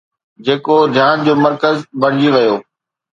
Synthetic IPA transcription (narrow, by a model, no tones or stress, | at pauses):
d͡ʑeːkod̪ʱjaːnd͡ʑoːmɐɾkəzbɐɽ̤d͡ʑiʋɐjoː